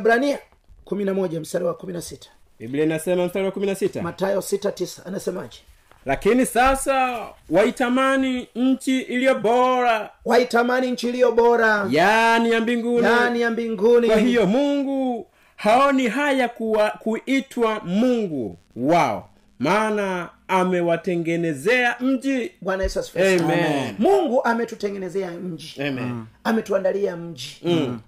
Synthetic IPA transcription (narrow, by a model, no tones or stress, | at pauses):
ɓɾania | kuminamɔʄam̩staɾiwakuminasitḁ | bibliainasɛmam̩staɾiwakuminasita̰matajɔsitatisḁanasɛmaʄɛ | lakinisasawaitamaniɲ̩t͡ʃiʔilijɔɓɔɾawaitamaniɲ̩t͡ʃiːlijɔɓɔɾajanijambiŋɡunainijambiŋɡunikwahijɔmuŋɡu | haɔniɦajakkuʔitʰwamuŋɡṵ | waɔ̰ | maːnaːmɛwatɛŋɡɛnɛzɛam̩d͡ʒiɓwanajɛsaskɛmmɛnmuŋɡuʔamɛtutɛŋɡɛnɛzɛaɲ̩d͡ʒimɛ̰amɛtuandaliam̩d͡ʒi